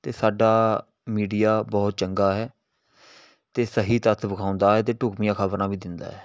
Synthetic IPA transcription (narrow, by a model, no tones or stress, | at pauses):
t̪eːsaːɖaː | miːɖijaːbɔːt̪̚t͡ʃəŋɡaːɦɛː | t̪eːsəɦiːt̪ət̪ʰbəkʰaːʊnd̪aːɦɛːt̪̬eːʈʊːkmijãːkʰəbəɾãːbiːd̪ɪnd̪a̰ːɦɛː